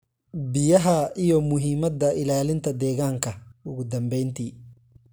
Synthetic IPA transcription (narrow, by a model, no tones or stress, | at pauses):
bɪjɐɦɐijɔmʊɦiːmɐd̪ɐʔɪlaːlɪnt̪ʰɐd̪ɛːɣaːŋkʰɐʊɣʊd̪ɐmbɛjnt̪ʰiː